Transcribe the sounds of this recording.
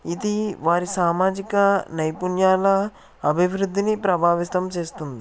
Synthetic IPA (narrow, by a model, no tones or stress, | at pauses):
id̪iʋaːɾisaːmaːd͡ʒikɐnɐjpunjaːlɐ | ɐbʱiʋɾud̪ʱːinipɾɐbʱaːʋist̪ɐmt͡ʃe̞ːst̪und̪i